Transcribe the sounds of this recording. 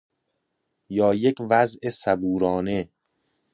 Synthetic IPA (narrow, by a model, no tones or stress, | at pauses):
jɒːje̞cʰvæzʔesæbuːɾɒːne̞